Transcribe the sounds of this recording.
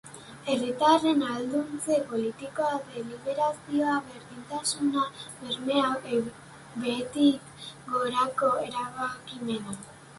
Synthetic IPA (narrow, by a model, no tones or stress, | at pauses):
e̞rit̪are̞nald̪unt͡se̞po̞lit̪iko̞aðe̞liβe̞ɾasio̞aβe̞ɾðint̪asunaβeɾmeawe | be̞t̪ik | ɡo̞ɾako̞eɾaβakime̞na